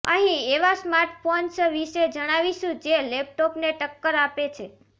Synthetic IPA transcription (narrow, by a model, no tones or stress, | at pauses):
ə̰ɦĩeʋasmaɾʈfɔnsəʋiʃed͡ʒəɽ̃aʋiʃũd͡ʒelep̚ʈopneʈəkːəɾapet͡ʃʰe